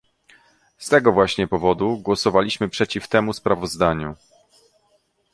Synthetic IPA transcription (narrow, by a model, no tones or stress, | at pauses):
st̪ɛɡɔvwaɕɲɛpɔvɔd̪uɡwɔsɔvalʲiɕmɘpʂɛt͡ɕift̪ɛmuspɾavɔzd̪aɲu